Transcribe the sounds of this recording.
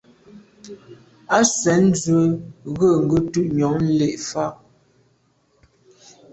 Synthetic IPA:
a˦sɛ˨n̩˦zwə˦˨ɣə˦˨ŋ̩˨ɡə˦tʉ˦ʔɲɔ˨˦ŋn̩˦le˦˨ʔfa˦˨

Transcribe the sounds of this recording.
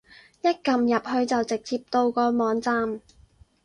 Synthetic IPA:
jɐ˥t̚kɐ˨mjɐ˨p̚hɵ˧ɥt͡sɐ˨wt͡sɪ˨k̚t͡siː˧p̚t̪o˧wkɔː˧mɔː˨˧ŋt͡saː˧m

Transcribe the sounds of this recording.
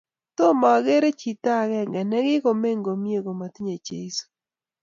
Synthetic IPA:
t̪ɔ˦ma˨ɡe˦ɾe˦t͡ʃi˨t̪a˦˨ɡɛ˦˨ŋɡɛ˨nɛ˦ɡɪ˦ko˨me˦ŋɡo˨mje˦ɡo˨ma˨t̪i˦ɲe˨t͡ʃḛ˨i˦so̥˨

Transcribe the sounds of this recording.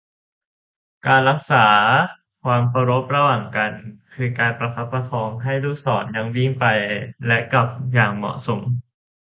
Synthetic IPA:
kaː˧nɾa˦˥k̚saː˩˦ | kʰwaː˧mkʰa˧ɾo˦˥p̚ɾa˧waː˨˩ŋka˧nkʰɯː˧kaː˧npɾa˧kʰa˦˥p̚pːɾa˧k̪ʰɔː˧ŋɦa˥˩jɾuː˥˩sɔː˩˦nja˧ŋwi˥˩ŋpa˧jlɛ˦˥ʔka˨˩p̚jaː˨˩ŋmɔ̰˨˩ʔso˩˦m

